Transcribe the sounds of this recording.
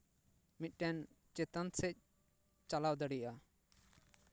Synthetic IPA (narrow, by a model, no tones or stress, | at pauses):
mit̪̚ˀʈɛn | t͡ʃɛt̪ansɛc̚ˀ | t͡ʃalawd̪əɽijʔa